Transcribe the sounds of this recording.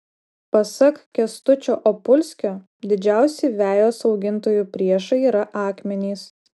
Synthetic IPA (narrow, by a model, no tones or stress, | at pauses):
pɐsɐkkʲɛst̪ʊt͡ʃʲoːʔopʊlʲsʲkʲoː | d̪ʲɪd͡ʒʲæˑʊsʲiːʋʲæːjoːsɒʊɡʲɪnˑt̪oːjuːpʲɾʲiɛʃɐiːɾɐʔɑːkmʲɛnʲiːs